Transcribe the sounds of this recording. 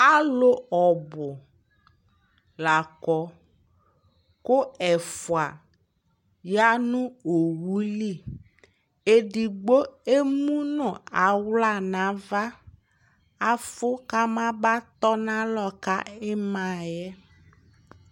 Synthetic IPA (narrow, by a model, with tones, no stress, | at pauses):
a˦lo˦ɔ˨bʊ˨ | la˨kɔ˨ | kʊ˦ɛ˨fʊ˨a˨ | ja˦nũ˦o˨wu˦li˦˨ | e˨ɖi˨ɡ͡bo˦e˦mũ˦nɔ̃˨a˨wla˦˨nã˨˦va˦ | a˨fʊ˦ka˦mã˦ba˦t̪ɔ˦nã˦lɔ˨ka˦ɛ˦mã˨jɛ˦